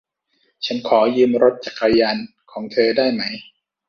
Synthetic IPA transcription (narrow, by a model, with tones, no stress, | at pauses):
t͡ɕʰa˦˥nkʰɔː˩˦jɯː˧mɾo˦˥t̪̚t͡ɕa˨˩kːa˧jaː˧n | kʰɔː˩˦ŋt̪ʰɤː˧daː˥˩jma˦˥j